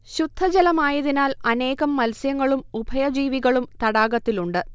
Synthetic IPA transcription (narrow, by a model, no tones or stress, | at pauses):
ɕud̪ʱːɐd͡ʑɐlɐmaːjɐðinaːlɐne̞ːɣɐmːɐlsjɐŋːɐɭumubʱɐjɐd͡ʑiːʋiɣɐɭumt̪ɐɽaːɣɐt̪ːiluɳɖɨ